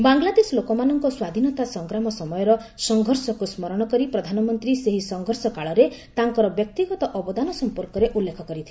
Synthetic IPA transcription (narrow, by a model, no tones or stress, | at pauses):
baŋɡlad̪eslokɔmanɔŋkɔswad̪ʱinɔt̪asɔŋkɾamɔsɔmɔjɔɾɔsɔŋɡʱɔɾsɔkusmɔɾɔɽ̃ɔkɔɾipɾɔd̪ʱanɔmɔnt̪ɾiseɦisɔŋɡʱɔɾsɔkaɭɔɾet̪aŋkɔɾɔbjɔk̚t̪iɡɔt̪ɔʔɔbɔd̪anɔsɔmpɔɾkɔɾeʔulːekʰɔkɔɾit̪ʰi̥